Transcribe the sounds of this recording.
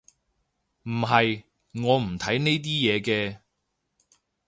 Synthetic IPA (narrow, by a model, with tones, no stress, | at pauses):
m̩˨˩ɦɐ˨j | ŋɔː˨˧m̩˨˩t̪ʰɐ˨˥jne˥jt̪̬iː˥jɛː˨˧kɛː˧